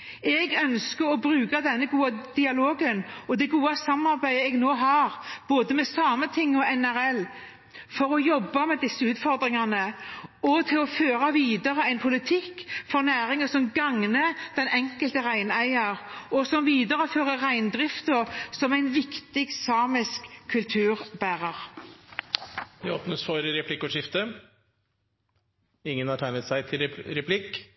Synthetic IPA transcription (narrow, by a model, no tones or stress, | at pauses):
ɛɡœnskəɾɔbɾʉːkɑd̪ɛnːəɡuːɑd̪̥ɪɑloːɡənɔd̪ɛɡuːɑsɑmːɑɾbæɪəɛɡnoːɦɑːɾb̥oːd̪əmɛsɑːmət̪ʰɪŋːɔɛnæɾɛlː | fɔɾɔjɔbːɑmɛd̪ɪsːəʉːt̪fɔɾd̪ɾɪŋɑnəɔt̪ʰɪlɔføːɾɑʋiːd̪ɑɾəæɪnpʰʊlɪt̪ʰɪkːfɔɾnæːɾɪŋəsɔmɡɑŋnəd̪̥ɛnʔɛŋkəlt̪əʁæɪnæɪɑʁɔsɔmʋiːd̪ɑʁəføːʁəʁæɪnd̪ʁɪft̪əsɔmæɪnʋɪkt̪ɪɡsɑːmɪskʰːʉlt̪ʰʉːʁbæːʁɑʁ | d̪ɛoːpnəsfɔɾɾɛpʰlɪkːʊʂɪft̪ə | ɪŋːənhɑʈ̪ʰæɪnət̪sæɪt̪ʰɪlɾɛpʰlɪkː